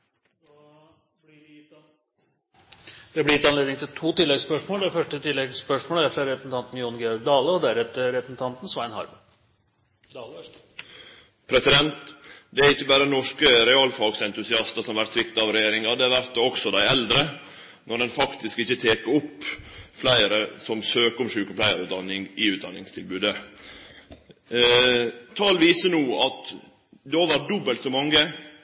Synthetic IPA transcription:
d | d̪̥ɛblɪɾɪt̪ːɑnleːd̪ɪŋt̪ɪlt̪ʰuːt̪ɪlːɛɡspœʂmoːləd̪æfœʂʈət̪ʰɪlːɛɡspœʂmoːləæɾfɾɑɾɛpənt̪ɑnt̪n̩jʊːnɡeɾd̪ɑːləɔd̪æɾɛt̪ːəɾɛpən̩t̪ʰɑnt̪n̩sʋɑɪnhɑ̰ɾbə | pʰɾɛsɪd̪ɛnt̪d̪ɛæɾɪçːəbæːɾənɔʂkəɾɛɑːlfɑɡsɛnt̪ʉsɪɑst̪əsɔmʋæɾt̪sʋɪkt̪ɑʋɾɛjeːɾɪŋɑd̪ɛʋæɾt̪ːɔksɔd̪æɪɛld̪ɾə | nɔɖ̪ɛnfɑkt̪ɪskɪçːət̪ʰeːkəɾɔpːflæɪəɾəsɔmsøːkəɔmʂʉːkɔflæɪəɾʉːt̪d̪ɑnːɪŋɪʉːt̪d̪ɑnːɪŋst̪ʰɪlbʉːd̪ə | t̪ʰɑːlʋiːsənuːɑt̪ | d̪ɛoːʋæɾ̚d̪ɔbəlt̪sɔmɑŋːə

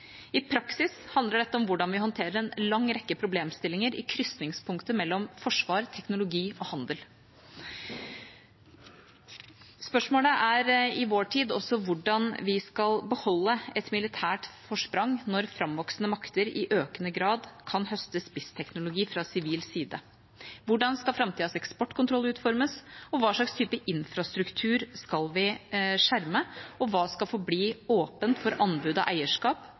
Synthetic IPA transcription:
ɪpʰɾɑksɪshɑnd̪ləɖɛt̪ːəɔmʋʊɖɑnʋɪhɔnt̪ʰeːɾəɾɛnlɑŋːɾɛkːəpʰɾʊbleːmst̪ɪlːɪŋəɾɪ̰kʰɾʏsnɪŋspʰʊŋkt̪əmɛlːɔmfɔʂʋɑːɾt̪ʰɛknʊlʊɡiːɔhɑnd̪əl | spœʂmoːləʔæɾɪʋoːʈʰiːd̪ɔsɔʋʊɖɑnʋɪskɑlbəhɔlːəɛt̪mɪlɪt̪ʰæːʈfɔʂpɾɑŋnɔɾfɾɑmʋɔksnəmɑkt̪əɾɪʔøːkənəɡɾɑːd̪kʰɑnhœst̪əspɪst̪ʰɛknʊlʊɡiːfɾɑsɪʋiːlsiːd̪ə | ʋʊɖɑnskɑlfɾɑmt̪iːɑsɛkspɔʈːkʰʊnt̪ʰɾɔlʉːt̪fɔɾməsɔʋɑːʂɭɑkst̪ʰyːpəʔɪnfɾɑst̪ɾʉkt̪ʰʉːɾskɑlʋɪʂæɾməɔʋɑːskɑlfoːbliːoːpənt̪fɔɾʔɑnbʉd̪ɑ̰ʔæɪəʂkɑːp

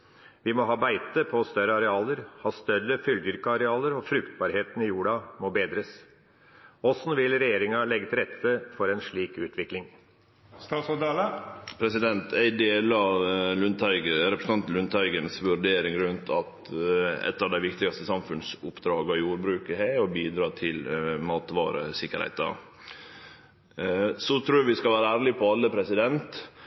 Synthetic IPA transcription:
ʋɪmɔɦɑːbæɪt̪əpʰɔst̪œɾəɑɾɛɑːləɾhɑːst̪œɾːəfʏld̪ʏɾkəɑɾɛɑːləɾɔfɾʉkt̪̚bɑːɾheːt̪ən̩ɪjuːɖɑmɔːbeːd̪ɾəs | ɔsn̩ʋɪlɾɛjeːɾɪŋɑlɛɡt̪ɾɛt̪ʰːəfɔɾɛnʂɭiːkʉːt̪ʰʋɪklɪŋ | st̪ɑːsɔd̪ɑːləpʰɾɛsɪd̪ɛnt̪ʰæɪd̪eːlɑʋlʉnt̪æɪɡəɾɛpɾəsn̩ɑnt̪lʉnt̪ʰæɪɡənsʋʉɾɖeːɾɪŋɾʉnt̪ʰɑt̪ | ɛ̰t̪ːɑʋd̪æɪʋɪkt̪ɪɡɑst̪əsɑmfʉnsʊpːd̪ɾɑːɡɑjuːɾbɾʉːkəheːɔbiːd̪ɾɑːt̪ʰɪlmɑːt̪ʋɑ̰ːɾə̰sɪkːəɾhæ̰ɪt̪ɑ̰ | sɔt̪ʰɾuːjɑʋɪskɑʋæːɾəæːɾɭɪpʰɔɑlːəpʰɾɛsɪd̪ɛnt̪

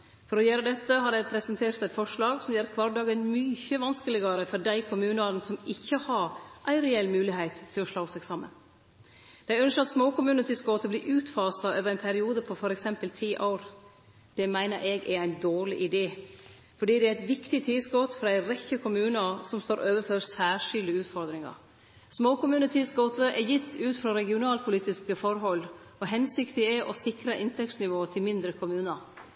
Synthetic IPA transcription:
fɔɾɔjøːɾəd̪ɛt̪ːəɦɑɾɛɪpʰɾɛsənt̪ʰeːɾt̪æɛɪt̪fɔʂɭɑːɡsɔmjɛːɾkʰʋɑɾɖɑːɡənmyçəʋɑnskəlɪɡɑɾəfɔdæɪkʰʊmʉːnɑɾnsɔmɪçːəhɑɾʔæɪɾɛɛlːmʉːlɪheɪt̪ʰːɪlɔʂɭoːsɛɡsɑmːə̰n | d̪̥æɪœnsʃkɑt̪smoːkʊmʉːnət̪ɪsɡoːt̪əbliːʔʉːt̪fɑːsɑʔøːʋəɾæɪnpʰæɾɪuːd̪əpʰɔfɔɾɛksɛmpəlt̪ʰiːʔaʊɾ | d̪̥ɛmæɪnəɾʔɛɡɛæɪnd̪oːɾɭɪʔɪd̪eː | fɔɖiːd̪ɛæɾæɪt̪ʋɪkt̪ɪt̪ʰɪlsɡɔt̪fɾɑæɪɾɛçːəkʰʊmʉːnəsɔmst̪oːɾʔøːʋəfɔɾsæːʂɪld̪əʉːt̪fɔɾd̪ɾɪŋɑ̰ɾ | smoːkʊmʉːnət̪ʰɪsɡoːt̪əʔɛjɪt̪ːʉːt̪fɾɑɾɛɡɪʊnɑːlpʰʊliːt̪ɪskəfɔɾɦɔlː | ɔɦɛnsɪkt̪ɪɛʔɔsɪkɾɑʔɪnt̪ʰɛksnɪʋoːt̪ʰɪlmɪnd̪ɾəkʰʊmʉːnəɾ

